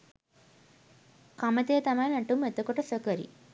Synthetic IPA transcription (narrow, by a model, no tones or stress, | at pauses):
kamət̪ejət̪amajnæʈumet̪əkoʈəsəkəɾḭ